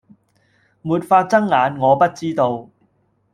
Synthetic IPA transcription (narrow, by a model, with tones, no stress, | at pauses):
muː˨t̚faː˧t̚t͡sɐ˥ŋlaː˨˧nŋɔː˨˧pɐ˥t̚t͡siː˥t̪o˧w